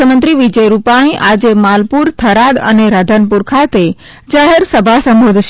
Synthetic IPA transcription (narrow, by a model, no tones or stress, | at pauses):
əmənt̪ɾiʋid͡ʒəjɾupaɽ̃ĩʔad͡ʑemalpuɾt̪ʰəɾad̪ə̰neɾad̪ʱənpuɾkʰat̪e | d͡ʒaɦeɾsəbʱasə̃mbod̪ʱʃ